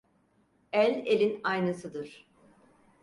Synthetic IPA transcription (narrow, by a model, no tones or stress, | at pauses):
ælʲelʲinajnɯsɯd̪ɯɾ̥